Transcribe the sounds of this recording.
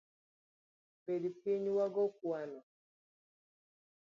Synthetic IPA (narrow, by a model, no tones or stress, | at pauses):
pedipiɲwaɡɔk̚wanɔ